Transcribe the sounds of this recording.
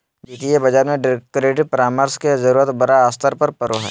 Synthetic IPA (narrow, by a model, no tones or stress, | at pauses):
iːkijebɐd͡ʒaːɾmẽɖɪɾkːɾeːʈɪpɾaːməɾskezɐɾuːɾət̪bɐɾaːst̪əɾpɐɾpɐɾoɦɛ̰ː